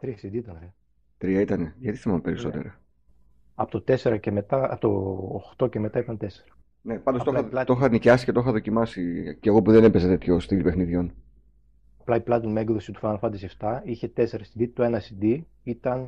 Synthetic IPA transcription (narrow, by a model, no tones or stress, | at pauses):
t̪ɾiɐsid̪iit̪ɐnɾe | t̪ɾiɐit̪ɐne̞ʝɐt̪i̥θimɐmpeɾiso̞t̪ḛɾɐ | ɐpo̥t̪ot̪e̞se̞ɾɐceme̞t̪ɐɐpt̪oːxt̪o̞ce̞me̞t̪ɐit̪ɐnt̪e̞se̥ɾɐ | nepɐnd̪ot̪oɐɐt̪oxɐnicɐsi̥cet̪oxɐðo̞cimɐsiceɣo̞puðenepezet̪e̞t̪çost̪ilipe̞xniðʝo̞n | ɐplɐiplɐt̪onmeɡðo̞sit̪u̥fɐɐlfɐt̪iseft̪ɐiçe̞t̪eseɾɐsid̪it̪oe̞nɐsid̪i | it̪ɐn